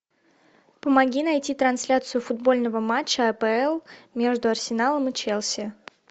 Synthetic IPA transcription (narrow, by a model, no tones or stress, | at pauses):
pəmɐɡʲinɐjtʲit̪ɾɐnsʲlʲat̪sɨjʊfʊd̪̚bo̞lʲnəvəmat͡ɕːəɐpɛɛlˠmʲe̞ʐd̪ʊɐrsʲɪnalˠəmɨt͡ɕelˠsʲɪ